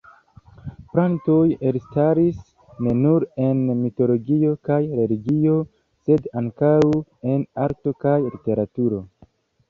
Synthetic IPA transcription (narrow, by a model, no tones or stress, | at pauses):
pɾanto̞jelstaɾis | ne̞nuɾe̞nmito̞lo̞ɡio̞kajɾe̞liɡio̞ | se̞daŋkawe̞naɾto̞kajlite̞ɾatuɾo̞